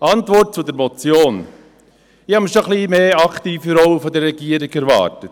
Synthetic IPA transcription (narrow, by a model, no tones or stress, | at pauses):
ɑntvɔɾt̚t͡sudɛɾmɔt͡sjoːn | ɪhɑməʃoχliːmeːɑktiːfəɾɔwəfɔdɛɾːɛɡiːəɾɪkɛɾvɑ̰ːɾtət